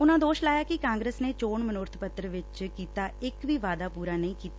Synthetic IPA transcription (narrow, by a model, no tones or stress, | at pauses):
ʊnãːd̪oːʃlaːjaːkɪkãːŋɡɾeːsneːt͡ʃoːɳmənʊɾt̪ʰpət̪ɾəʋɪt͡ʃkiːt̪aːɪkʋiːʋaːd̪aːpuːɾaːnə̃ĩːkiːt̪a